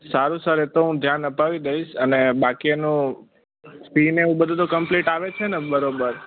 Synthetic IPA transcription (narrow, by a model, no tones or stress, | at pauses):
saɾũsaɾet̪oɦũd̪ʱjanəpaʋid̪əiʃənebakienũ | spineʋũbəd̪ʱut̪okəmpliʈaʋet͡ʃʰenebəɾobəɾ